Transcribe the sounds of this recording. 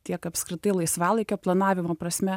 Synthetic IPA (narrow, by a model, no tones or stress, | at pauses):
t̪ʲiɛkɐpʲskɾʲɪt̪ɐɪlˠɐɪsʋɑːlˠɐɪkʲoplˠɐnɑːʋʲɪmoːpɾɐsʲmʲɛ